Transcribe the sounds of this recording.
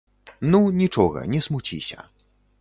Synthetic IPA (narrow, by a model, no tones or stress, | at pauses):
nunʲit͡ʂɔɣɐ̰nʲɛsmut͡sʲḭsʲɐ̰